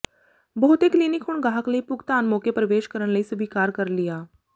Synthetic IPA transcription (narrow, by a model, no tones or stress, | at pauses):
bəɦʊt̪ekliːnɪkɦʊɳɡaːɦəkləiːpʊɡt̪aːnmoːkepɾəʋeːʃkəɾəɽ̃ləiːsʊbʱiːkaːɾkəɾlɪjaː